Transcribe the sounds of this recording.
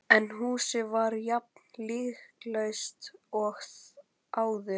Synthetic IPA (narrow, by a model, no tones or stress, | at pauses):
ɛnɦuːsɪvaɾjap̚nliːxklejst̪ɔxθ | aːwðʏ